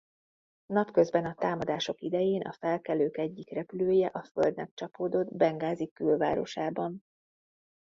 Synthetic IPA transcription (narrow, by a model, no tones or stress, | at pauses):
nɒpkø̞zbɛnɒt̪aːmɒd̪aːʃo̞kid̪ɛjeːnɒ̰fɛlkɛløːkɛɟːikrɛpyløːjɛʔɒfø̞ld̪nɛk̚t͡ʃɒpoːd̪o̞d̪bɛŋɡaːzikylva̰ːɾo̞̰ʃaːbɒn